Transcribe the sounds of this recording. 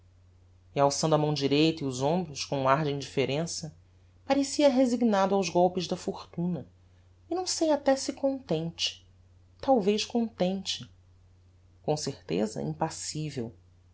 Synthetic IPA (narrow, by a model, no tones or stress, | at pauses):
iawsɐ̃d̪ʊɐmɐ̃w̃d͡ʒiɾejt̪iuzõmbɾʊskõũaɾd͡ʒɪĩd͡ʒifeɾẽsɐ | paɾesiɐɦeziɡnad̪ʊawzɡɔwpɪzd̪ɐfoɾt̪ũnɐ | ɪnɐ̃w̃sejat̪ɛsɪkõnt̪ẽnt͡ʃɪ̥ | t̪awvejʃkõnt̪ẽnt͡ʃɪ | kõw̃seɾt̪ḛzɐ̰ḭ̃mpasivew